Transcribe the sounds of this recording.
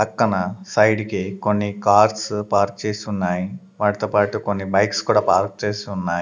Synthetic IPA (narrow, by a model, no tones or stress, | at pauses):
pɐkːɐnɐsɐjɖikikonːikaːɾspaːɾk̚t͡ʃe̞ːsiunːaːji | ʋaːɽɐt̪oːpaːʈukonːibɐjkskuːɽaːpaːɾk̚t͡ʃe̞ːsiunːaːi